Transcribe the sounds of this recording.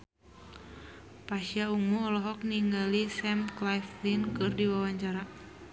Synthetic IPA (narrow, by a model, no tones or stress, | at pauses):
paʃiauŋuɔlɔɦɔk̚niŋɡalisɛmklajflinkɨrdiwawaɲt͡ʃaɾa